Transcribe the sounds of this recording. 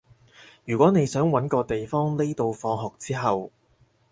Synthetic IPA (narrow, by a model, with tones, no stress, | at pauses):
jyː˨˩kʷɔː˨˥ne˨˧jsœː˨˥ŋwɐ˨˥nkɔː˧t̪e˨jfɔː˥ŋne˥t̪o˨˧wfɔː˨˧ŋɦɔː˨k̚t͡siː˥ɦɐ˨w